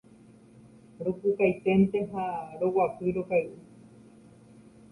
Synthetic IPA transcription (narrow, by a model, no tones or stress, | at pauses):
ɾukukajt̪ent̪eɦaɾowapɨɾokajɨ